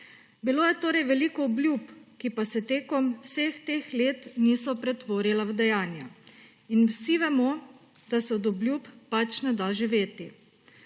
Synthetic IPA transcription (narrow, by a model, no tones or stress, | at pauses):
biloːjɛt̪oːɾɛjʋɛlikɔɔblʲjupkipasɛt̪eːkɔmwsext̪eːxleːt̪niːsɔpɾɛt̪ʋoːɾilawd̪ɛjaːnja | inwsiʋɛmɔ | d̪asɛɔd̪ɔblʲjupːat͡ʃnɛd̪aʒiʋeːt̪i